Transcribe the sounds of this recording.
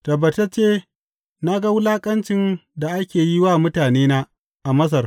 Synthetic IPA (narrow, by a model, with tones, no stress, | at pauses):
tɐ˨bɐ˨ta˦t͡ʃeː˦ | na˦ɡa˦wʊ˦laː˦kʼɐ˦nt͡ʃɪ˦nda˨ʔa˦kʲeː˨ji˦waː˦mʊ˦taː˨neː˦na˦ | ʔa˨mɐ˦s̬ɐ˨r